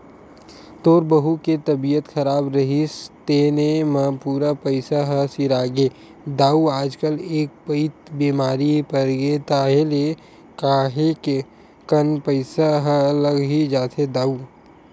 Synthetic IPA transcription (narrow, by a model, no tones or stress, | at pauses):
t̪oːɾbəɦuket̪ɐbijət̪xɐɾaːbɾɐɦist̪eːnemɐpuːɾapəɪsaɦəsɪɾaːɡeː | d̪aːuaːd͡ʒkəleːk̚pəɪt̪biːmaːɾipɐɾɡet̪aːɦele | kaːɦeke | kənpəɪsaɦələɡɦid͡ʒaːt̪ʰed̪aːu